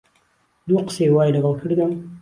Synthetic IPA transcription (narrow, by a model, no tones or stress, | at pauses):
d̪uqsewɑːjɖaɣalkʰəɽed̪am